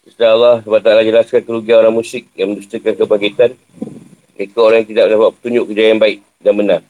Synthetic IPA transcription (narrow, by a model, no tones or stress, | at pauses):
ist̪alːahsubat̪alad͡ʒəlaskankəɾuɡianoɾaŋmũsɪk̚jaŋmə̃ndust̪əkankəbaŋɡit̪an | kekaoɾaŋjaŋt̪idaʔdapat̪pə̥t̪uɲd͡ʒʊʔkəd͡ʒajanbaɪk̚ | danbənãŋ